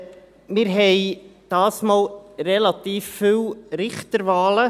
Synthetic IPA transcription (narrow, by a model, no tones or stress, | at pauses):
mɪɾɦɛɪd̥ɑːsmɑːlɾɛlɑt̪iːfːywɾɪχt̪əɾvɑːlə